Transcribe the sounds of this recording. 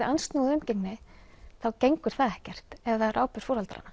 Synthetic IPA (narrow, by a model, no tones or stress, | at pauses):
ʔanst̪nuːðʏmceknɪθawcejŋkʏɾ̥θaðɛhcɛr̥t̪ɛvðarʔaːwpʏɾ̥foːɾhalt̪aɾa̰nːa